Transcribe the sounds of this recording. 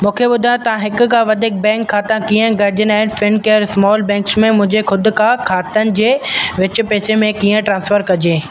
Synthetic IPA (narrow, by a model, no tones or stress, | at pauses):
mũːkʰebʊd̪ʱajt̪ɐʋ̤ãɦɪkʊ̆kãʋɐd̪ʱɪk̚bɛ̃ːŋkʰːaːt̪ãkiːə̃ɡɐɾɪd͡ʑənaːɦɪnfɪnkeːɾsmɔːlbɛ̃ːŋksmẽmʊ̃ɦɪ̃ɲd͡ʑexʊd̪ʊ̆kʰãkʰaːt̪ənɪ̆d͡ʑeːʋɪt͡ɕʊ̆peːsemẽkiːə̃ʈɾãːnsfəɾkɐd͡ʑeː